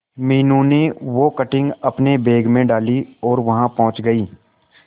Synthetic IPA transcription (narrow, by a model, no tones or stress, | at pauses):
miːnũneʋokɐʈɪ̃ŋɡɐpnebeːɡmẽɖaːliɔːɾʋɐɦãpɔ̃ɦʊ̃t͡ʃɡɐiː